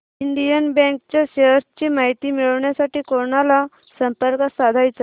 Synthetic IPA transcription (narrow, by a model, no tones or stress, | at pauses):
iɳɖ̪ijənbɛ̃ŋkt͡ɕaɕeɦəɾt͡ɕimaɦit̪iːmiɭəʋɳjasaʈiːkoɳala | səmpəɾkəsad̪ʱajt͡sa